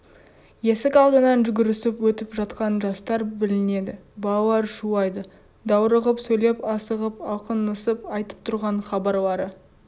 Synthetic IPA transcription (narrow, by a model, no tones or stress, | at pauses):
je̞sɪkɑlˠd̪ənɑnʒʏɡʲɪɾɪsɪpwɵt̪ɪpʒɑt̪qɑnʒɑst̪ɑɾbɪlɪne̞d̪ɪbɑlˠlˠɑɾʒuɑjd̪ə | d̪ɑwɾəʁəpsɵjle̞pɑsəʁəpɑlˠqənəsəpɑjt̪ə̥p̚t̪ʰʊɾʁɑɴχɑbɑɾlˠɑɾə